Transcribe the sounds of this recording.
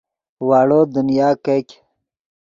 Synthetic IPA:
waːɽod̪unjaːkekʲ

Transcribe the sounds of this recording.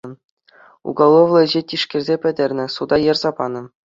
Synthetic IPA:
ɤ̆ | ṵɡɑlˠːoʋlˠɤ̆ʑetʲiʂkʲɘ̆rʲzʲepʲɘ̆dʲɘ̆rʲnʲɘ̆sud̪ɑjɤ̆rzɑpɑnɤ̆

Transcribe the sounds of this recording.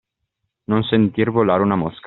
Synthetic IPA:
nonsent̪irvolaːɾeunamosk

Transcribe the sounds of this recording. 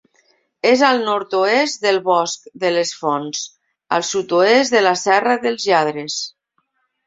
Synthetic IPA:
ezalˠnɔɾt̪oesd̪əlˠβɔskðəlesfɔns | a̰lˠsut̪oezðəlasɛraðəlˠzʎaðɾes

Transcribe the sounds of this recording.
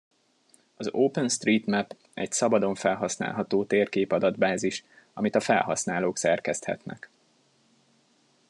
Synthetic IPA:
ɒzoːpɛnst̪riːt̪mɛp | ɛcsɒbɒd̪o̞ɱfɛlɦɒsna̰ːlɦɒt̪oːt̪eːrkeːpɒd̪ɒd̪baːziʃ | ɒmit̪ɒfɛ̰lɦɒ̰snaːloːksɛrkɛst̪hɛ̰t̪nɛ̰k

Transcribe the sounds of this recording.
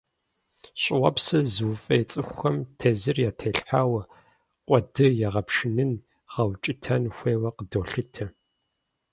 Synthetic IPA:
ɕʼɪwʷɐpsɐzɨwfʼɐjt͡sʼɨxʷɐmtʰezɨrjaːtʰeɬħaːwɐ | qʷʼɔdɨjaʁɐpʂɪnɨn | ʁɐwt͡ʃʼɪtʰɐnxʷeːwɐqədoːɬɨtʰɐ

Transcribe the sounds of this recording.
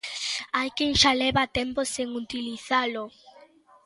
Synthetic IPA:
ajkeŋʃalɛβat̪emposeŋut̪iliθalo

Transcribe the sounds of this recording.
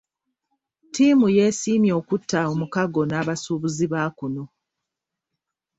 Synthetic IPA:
tiːmuje̞ːsiːmjo̞ːkutʰːaomukaɡo̞naːβasuːβuziβakuno̞

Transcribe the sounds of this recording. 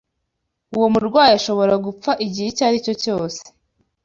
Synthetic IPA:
uwomuɾɡwaːjiaʃo̞βo̞ɾaɡup͡faʔiɟihecaːɾico̞co̞ːse̥

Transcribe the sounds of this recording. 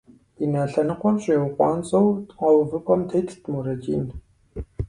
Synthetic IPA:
inaːɬɐnɨqʷɔmɕʼeːwqʷɑ̰ːnt͡sʼɐwʼqɐwvɨpʼɐmtʰejtʰtʰmurɐd͡ʒḭːn

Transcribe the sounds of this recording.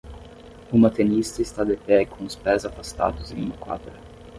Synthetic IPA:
umɐt̪enist̪ɐɪst̪ad̪epɛkʰõʊspɛzafast̪a̰d̪ʊzẽŋumɐkwa̰d̪ɾɐ

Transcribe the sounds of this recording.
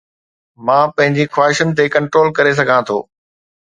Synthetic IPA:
mãːpɐ̃ɦɪ̃ɲd͡ʑixwaːɦɪʃənɪ̆t̪ekɐ̃ɳʈɾoːlkɐɾes̬ɐɡʱãt̪ʰo̰ː

